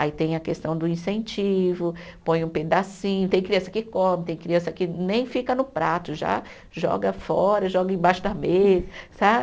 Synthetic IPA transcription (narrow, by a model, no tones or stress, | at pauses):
ait̪ẽj̃ɐkest̪ɐ̃w̃d̪ʊĩsẽnt͡ʃivʊ | põj̃ũped̪asĩɲʊt̪ẽj̃kɾiɐ̃sɐkɪkõmɪt̪ẽj̃kɾiɐ̃sɐkɪnẽj̃fikɐnʊpɾat̪ʊʒa̰ | ʒɔ̰ɡɐfɔɾɐʒɔɡɐẽbaʃʊd̪ɐmezɐsa